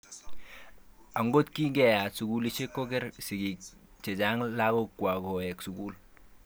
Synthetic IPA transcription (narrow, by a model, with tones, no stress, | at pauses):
a˨ŋɡo˦t̪kiː˦ŋɡɛ˦˨ja˨tsu˨ku˦li˦ʃe˦kːo˦kɛ˦ɾsi˨ɡi˨k | t͡ʃɛ˨t͡ʃa˦ŋla˦kɔ˦kːwa˨kɔ˨jɛ˨ksu˨ku˦l